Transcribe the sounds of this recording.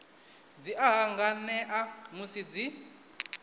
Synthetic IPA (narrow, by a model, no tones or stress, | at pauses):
d͡ziʔaɦaŋɡanɛʔamusid͡zi